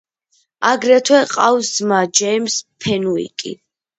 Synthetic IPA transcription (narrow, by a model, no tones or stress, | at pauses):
aɡɾɛt̪ʰwɛqʼawszmad͡ʒɛjmspʰɛnuḭkʼḭ